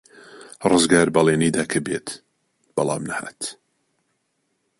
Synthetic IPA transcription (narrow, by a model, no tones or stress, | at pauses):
rɨzɡaːɾbɐlˠeːnid̪aːkʰɐbet̪ | b̥ɑlˠa̰ːmnɐha̰ːt̪